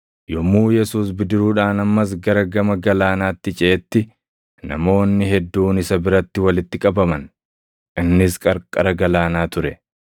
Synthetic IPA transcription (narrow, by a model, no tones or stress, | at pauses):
jɔmːuːjɛsuːs̬bɪd̪ɪɾuːᶑaːnɐmːɐs̬ɡɐɾɐɡɐmɐɡɐlaːnaːt̪ːɪt͡ʃʼeːt̪ːɪ | nɐ̰mo̞ːnːɪɦɛd̪ːuːnɪsɐbɪɾɐt̪ːɪwɐlɪt̪ːɪkʼɐbɐmɐn | ʔɪnːɪskʼɐɾkʼːɐɾɐɡɐlaːnaːt̪ʊɾɛ